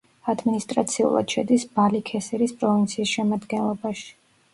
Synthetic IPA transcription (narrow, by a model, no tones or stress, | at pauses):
ad̪minist̪ʼɾat̪sʰiṵlˠa̰d̪̥ʃɛd̪isb̥alikʰɛsɛɾispʼɾɔvint̪sʰiːsʃɛmad̪ɡɛnlˠɔbaʃi̥